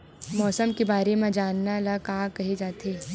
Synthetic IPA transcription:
mɔːsəmkebaːɾemẽd͡ʒaːnːalakaːkɐɦed͡ʒaːt̪eː

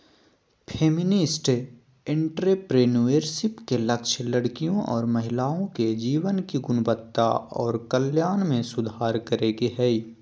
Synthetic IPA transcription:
pʰeːmɪnɪsʈ | ɪ̃ɳʈɾepɾeːnueːɾsɪpkelɐkʃləɽkijõʔɔːɾmɐɦɪlaːõked͡ʒiːʋənkiɡʊnbət̪ːaɔːɾkəljaːnmẽsʊd̪ʱaːɾkəɾeːɡiɦɛi

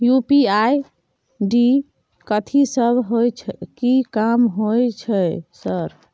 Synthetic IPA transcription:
jupiaj | ɖi | kət̪ʰisəbʱɦojt͡ʃʰkikamɦojt͡ʃʰəjsəɾ

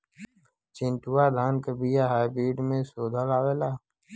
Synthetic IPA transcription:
t͡ʃɪ̃nʈuwad̪ʱaːnkəbijaɦaːibɾiːɖmẽsoːd̪ʱalaːʋeːlaː

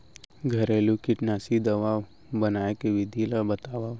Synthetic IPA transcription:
ɡʱɐɾeːlukɪʈnaːsid̪ɐʋaːw | bɐnaːekeʋɪd̪ʱilabɐt̪aːʋaː

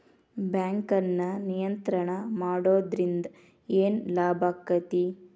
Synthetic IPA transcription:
bjaːŋkɐnːɐnijɐnt̪ɾɐɳɐmaːɽoːd̪ɾind̪ɐ | eːnlaːbʱaːkːɐt̪i

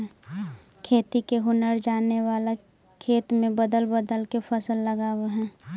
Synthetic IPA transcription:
kʰeːt̪ikeɦʊnəɾd͡ʒaːnewaːla | kʰeːt̪mẽbəd̪əlbəd̪əlkepʰəsəlːəɡaːweɦɛ̃ː

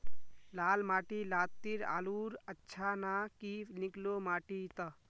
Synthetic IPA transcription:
laːlmaːʈilaːt̪ːiɾa̰ːluːɾətːʃʰanakiniklomaːʈit̪ə

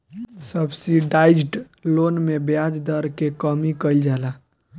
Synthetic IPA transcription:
səbsiɖajd͡ʒʈ | lonmebjad͡ʒd̪əɾkekəmikəjld͡ʒala

